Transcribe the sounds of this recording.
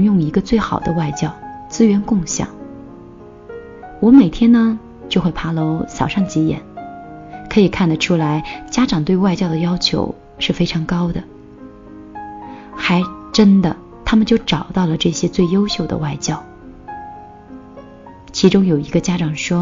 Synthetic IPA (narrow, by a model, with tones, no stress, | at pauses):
jʊ˥˩ŋi˧˥ɡə˧t͡swe˥˩ɪxɑ˨˩ʊd̪ə˦wa˥˧ɪt͡ɕjɑ˥˧ʊt͡sɹ̩˥ɥɛ˧˥nkʊ˥˧ŋɕjɑ̰˨˩˦ŋ | wɔ˧˥me˨˩ɪt̪ʰjɛ˥nnə˨ | t͡ɕjo˥˧ʊxwe˥˩ɪpʰa˥lo˧˥ʊsɑ˨˩ʊʂɑ˥˩ŋt͡ɕɛ˧˥jɛ̰˨˩˥n | kʰɤ˧˥i˨˩kʰa˥˩nd̪ə˩ʈ͡ʂʰu˥la˧˥ɪt͡ɕja˥ʈ͡ʂɑ˨˩ŋt̪we˥˧ɪwa˥˧ɪt͡ɕjɑ˥˩ʊd̪ə˩jɑ˥ʊt͡ɕʰjo̰˧˥ʊ | ʂɻ̩˥˩fe˥ɪʈ͡ʂʰɑ˧˥ŋkɑ˥ʊd̪ə˨˩ | xa˧˥ɪʈ͡ʂə˥nd̪ə˨ | t̪ʰa˥mə˨nt͡ɕjo˥˩ʊʈ͡ʂɑ˨˩ʊt̪ɑ˥˩ʊlə˩ʈ͡ʂɤ˥˩ɕjɛ˥t͡swe˥˩ɪjo˥ʊɕjo˥˩ʊd̪ə̰˩wa˥˩ɪt͡ɕjɑ˥˩ʊ | t͡ɕʰi˧˥ʈ͡ʂʊ˥ŋjo˨˩ʊi˧˥ɡə˧t͡ɕja˥ʈ͡ʂɑ˨˩ŋʂwɔ˥